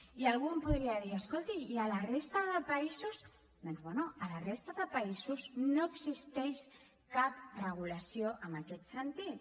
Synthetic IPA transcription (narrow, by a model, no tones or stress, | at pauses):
iəlɣumpuðɾiaðiəskolˠt̪iːələrest̪əðəpəizuz | d̪onzβɛnuələrest̪əðəpaizuznoəɡzist̪ɛʃ | kap̚rəɣ̞uləsijoʔəməkɛt̪sənt̪it̪